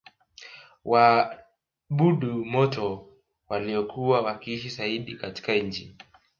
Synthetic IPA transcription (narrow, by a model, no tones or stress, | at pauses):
wʔa | ɓuɗumɔtɔ | waliɔkuwawakiiʃisaiɗikati̥kaɲ̩t͡ʃḭ